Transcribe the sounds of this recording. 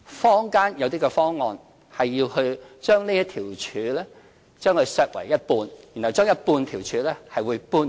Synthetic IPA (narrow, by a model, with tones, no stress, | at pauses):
fɔː˥ŋkaː˥njɐ˨˧wt̪iː˥kɛ˧fɔː˥ŋːɔː˧n | hɐ˨jːiː˧whɵ˧t͡ʃœː˥ŋne˥jɐ˥t̪ʰiː˨˩wt͡ʃʰyː˨˧lɛː˥ | t͡ʃœː˥ŋkʰɵ˧sœː˧k̚wɐ˨˩jːɐ˥t̚puː˧njiː˨˩nhɐ˨wt͡ʃœː˥ŋjɐ˥t̚puː˧nt̪ʰiː˨˩wt͡ʃʰyː˨˧lɛː˥hɐ˨jwuː˨˧jpuː˥n